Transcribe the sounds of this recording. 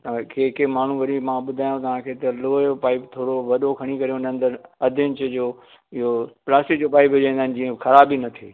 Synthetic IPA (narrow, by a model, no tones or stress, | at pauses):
t̪ɐ̃keːkemaːɳ̤ũʋɐɾimãɓʊd̪ʱaːjõt̪ɐʋ̤ãkʰeːt̪ɐloːopaːipt̪ʰoːɽoʋɐɗokʰɐɽ̃ikɐɾejõnɐ̃ə̃nd̪əɾɐd̪ʱɪ̃ɲt͡ɕd͡ʑoː | ɪɦoplaːsʈɪk̚d͡ʑopaːɪpʊd͡ʑãĩnd̪aɦɪn̆d͡ʑĩːẽxɐɾaːbinɐt̪ʰiː